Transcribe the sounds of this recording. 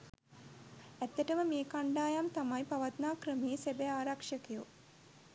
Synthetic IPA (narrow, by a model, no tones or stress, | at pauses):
æt̪ːeʈəməmeːkaɳɖaːjamt̪amajpaʋat̪naːkrəmejesebeaːɾakʂəkiju